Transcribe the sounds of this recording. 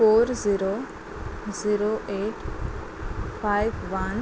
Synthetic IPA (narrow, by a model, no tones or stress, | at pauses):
oːɾziɾo | ziɾoʔeːʈ | faɪʋʋɐn